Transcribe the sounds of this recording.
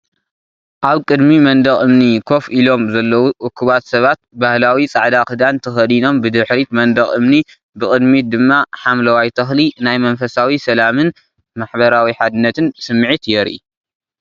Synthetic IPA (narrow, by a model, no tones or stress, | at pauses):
ʔaβkʼɨd̪mimɐnd̪ɐχʼɨmnikʰo̞filo̞mzɐlːɐwuʔʊkʰːɨβat̪sɐβat̪̚bahlawit͡sʼaʕd̪akɨd̪ant̪ʰɐxɐd̪ino̞mbɨd̪ɨħɾit̪mɐnd̪ɐχʼɨmni | bɨkʼɨd̪mid̪ɨmːaħamlɐwajt̪ʰɐxlinajmɐnfɐsawisɐlamɨn | maħbɐɾawiħad̪ɨnːɐt̪ʰɨnsɨmːʕit̪jɛɾʔḭ